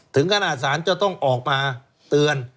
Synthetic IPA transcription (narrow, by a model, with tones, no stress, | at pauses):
t̪ʰɯ˩˦ŋkʰa˧naː˨˩t̪̚saː˩˦˥nt͡ɕa˨˩t̪ɔ˥˩ŋʔɔː˨˩k̚maː˧ | t̪ɯ˧ən